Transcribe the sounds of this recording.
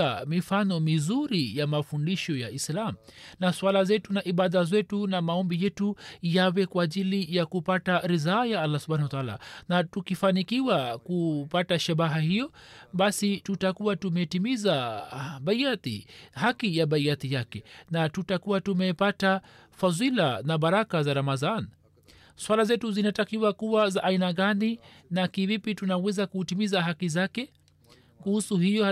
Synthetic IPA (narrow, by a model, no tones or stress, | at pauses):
amifanɔmizuɾijamafundiʃɔjaʔislam̩naswalazɛtunaʔiɓaðazwɛtunamaɔmbijɛtujawɛkwaːʄilijakupataɾizaːjaalːasubhanawataala̰natukifanikiwakupataʃaɓaɦahijɔɓasitutakuwatumɛtimizaɓaiat̪ḭhakijaɓaiat̪ijakɛnatutakuwatumɛpata | fazilanaɓaɾakazaɾamaðan | swalazɛtuzinatakiwakuwazaʔːinaɠaninakivipitunawɛzakutimizaɦakizakɛ | kuhusuhijɔ